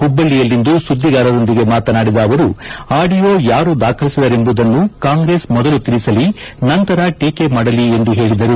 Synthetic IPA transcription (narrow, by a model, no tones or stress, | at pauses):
ubːɐlːijɐlːind̪usud̪ːiɡaːɾɐɾond̪iɡe̞maːt̪ɐnaːɽid̪ɐːʋɐɾuaːɖijo̞ːjaːɾuːd̪aːkʰɐlisid̪ɐɾe̞mbud̪ɐnːukaːŋɡɾe̞ːsmɔd̪ɐlut̪iɾisɐlinɐnt̪ɐɾɐʈeːkemaːɽɐlie̞nd̪uɦe̞ːɭid̪ɐɾu